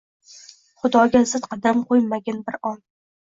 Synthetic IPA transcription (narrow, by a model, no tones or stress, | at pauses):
χʊd̪ɒɡʲazɨt̪qʰɑd̪amqʰojmaɡʲanbɪɾɒn